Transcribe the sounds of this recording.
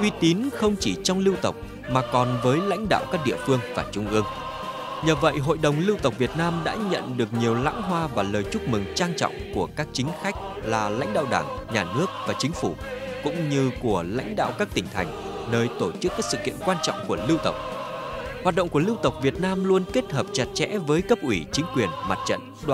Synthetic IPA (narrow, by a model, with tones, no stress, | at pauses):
ʔwi˧t̪i˨˦nxə˧wŋ͡mt͡ɕi˧˩t͡ɕɔ˧wŋ͡mlɨ˧wt̪ə˨˩wk͡p̚ | maː˨˩kɔ˨˩nvəː˨˦jla̰˧˥jŋ̟ɗa̰ː˧˨wkaː˦˥k̚ɗḭ˧˨əfɨ˧əŋvaː˨˩t͡ɕʊ˧ŋ͡mʔɨ˧əŋ | ɲəː˨˩və̰˧˨jɦo̰˧˨jɗə˨˩wŋ͡mlɨ˧wt̪ə˨˩wk͡p̚vi˨˩ət̚naː˧mɗa̰ː˧˥ɲə̰˧˨nɗɨ˨˩ək̚ɲi˨˩əwla̰ː˧˥ŋɦwaː˧vaː˨˩ləː˨˩jt͡ɕʊ˦˥k͡p̚mɨ˨˩ŋt͡ɕaː˧ŋt͡ɕɔ̰˧˨wŋ͡mku˧˩əkaː˦˥k̚t͡ɕï˨˦ŋ̟xa˦˥jk̟̚ | laː˨˩la̰˧˥jŋ̟ɗa̰ː˧˨wɗaː˧˩ŋɲaː˨˩nɨ˦˥ək̚vaː˨˩t͡ɕï˨˦ŋ̟fu˧˩kʊ̰˧˥ŋ͡mɲɨ˧ku˧˩əla̰˧˥jŋ̟ɗa̰ː˧˨wkaː˦˥k̚t̪ï˧˩ŋ̟t̪ʰa˨˩jŋ̟ | nəː˧jt̪o˧˩t͡ɕɨ˦˥kːaː˦˥k̚sɨ̰˧˨kḭ˧˨ənkwaː˧nt͡ɕɔ̰˧˨wŋ͡mku˧˩əlɨ˧wt̪ə˨˩wk͡p̚hwaː˨˩t̚ɗə̰˧˨ŋ͡mku˧˩lɨ˧wt̪ə˨˩wk͡p̚vi˨˩ət̚naː˧mlu˧ənke˦˥t̚həː˨˩p̚t͡ɕa˨˩t̚t͡ɕɛ̰˧˥vəː˨˦jkə˦˥p̚ʔwi˧˩t͡ɕï˨˦ŋ̟kwi˨˩ənma˨˩t̚t͡ɕə̰˧˨n | ɗw